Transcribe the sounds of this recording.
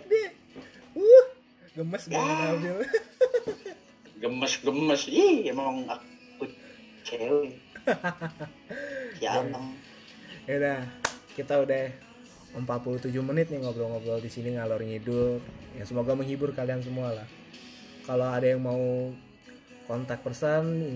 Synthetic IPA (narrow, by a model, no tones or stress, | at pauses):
di | uh | ɡəməsɡəmənald͡ʒu | ɡəməsɡəməsihamaaŋaku | t͡ʃeli | jaaa | adahkit̪audah | əmpat̪̚pulut̪ud͡ʒʊhmənɪt̪̚naŋoblɔlŋoɡlɔldisiniŋalɔrŋidʊtjaŋsəmoɡaməŋhibʊrkalians̬əmualah | kaloadajaŋmau | kɔnt̪ak̚pərsən